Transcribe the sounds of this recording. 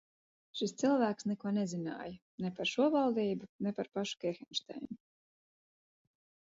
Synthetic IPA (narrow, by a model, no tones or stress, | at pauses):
ʃist̪silˠvæːksnɛkuɔnɛzina̰ːjɐ | nepaɾʃuɔvalˠd̪iːbunepaɾpaʃu̥kɛxɛnʲʃt̪a̰jnu